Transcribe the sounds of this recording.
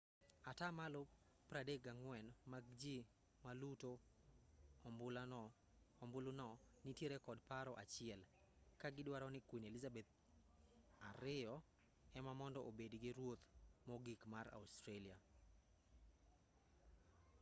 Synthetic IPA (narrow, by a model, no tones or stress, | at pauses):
atamalo | pɾadeɡaŋwɛnmaɡd͡ʒi | maluto | mbʊl | ɔmbʊlunɔnɪtjeɾɛkɔdpaɾɔʔat͡ʃɪɛl | kaɡɪdwaɾɔnɪkwinelizabɛt̪̚ | aɾɪɔ | ɛmamɔndɔʔobedɡɪɾwot̪mɔɡikmaɾa̰ustɾelia